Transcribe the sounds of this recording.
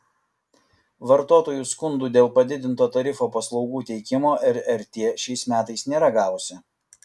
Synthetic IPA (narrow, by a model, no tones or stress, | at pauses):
ʋɐɾt̪oːt̪oːjuːˑskʊnd̪uːd̪ʲeːlˠpɐd̪ʲɪd̪ʲɪnt̪oːt̪ɐɾʲɪfoːpɐslˠɒʊɡuːt̪ʲɛɪkʲɪmoːʔɛɾɛɾʲt̪ʲeːʃʲɛɪsmʲæːt̪ɐɪsnʲeːɾɐɡɑːʋʊsʲɪ